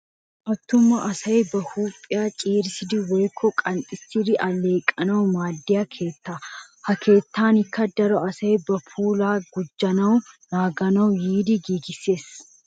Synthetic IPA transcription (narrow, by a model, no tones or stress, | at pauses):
ʔɐt̪ːʊmːɐʔɐsɐjbɐhuːpʼːɪjaːt͡ʃʼeːɾɪsɪd̪ɪwɔjkʰːɔkʼɐnt̪ʼɪtːɪɾɪʔɐlːe̞ːkʼːɐnɐwmaːd̪ːɪjɐkʰe̞ːt̪ːaː | hɐkʰe̞ːt̪ːaːnɪkːɐd̪ɐɾɔɐsɐjbɐpʰuːlaːɡʊd͡ʒːɐnɐwnaːɡɐnɐwjiːd̪ɪɡiːɡɪsːe̞ːs